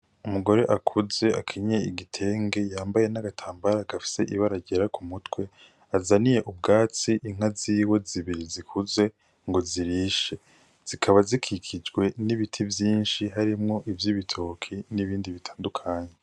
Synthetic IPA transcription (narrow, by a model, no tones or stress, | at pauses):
umuɡo̞ɾe̞ʔakʰuze̞a̰kʰiɲe̞iɡitʰe̞ːŋɡe̞jaːmbaje̞naɡatʰaːmbaɾaɡ̥afi̥se̞̰ʔiβaɾaɟeɾakumutwe̞ | azanije̞ʔub̚ɡaːt͡siʔiŋ̥aziːwe̞ziβiɾizikʰuze̞ | ŋɡo̞ziɾiːʃe̞ | z̥ikʰaβazikʰikʰid͡ʒɡwe̞niβitʰivjiːnʃiɦaɾimŋo̞ʔivjiβitʰo̞kʰiniβiːndiβitʰḁːndukʰaːɲe̞